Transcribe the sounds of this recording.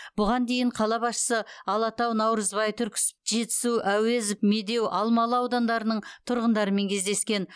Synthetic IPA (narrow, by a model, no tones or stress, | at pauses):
b̥ʊʁɑnd̪e̞jɪɴqʰɑlˠɑbɑsʃə̥səɑlˠɑt̪ɑwnɑwɾəzbɑjt̪ʰʏɾkʲɪ̥sɪ̥pʒe̞t̪ɪ̥suʔæwe̞zɪpme̞d̪e̞wʔɑlˠmɑlˠəɑwd̪ɑnd̪ɑɾənəɴt̪ʰʊɾʁənd̪ɑɾəme̞ŋkʲʰezd̪e̞skʲe̞n